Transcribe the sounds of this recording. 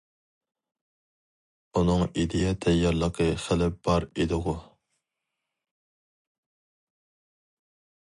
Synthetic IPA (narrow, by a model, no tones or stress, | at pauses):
unɨŋid̪ɪjɛt̪ʰɛjɑɾlˠəqʰəχɪlɪp̚b̥ɑɾid̪ɨʁu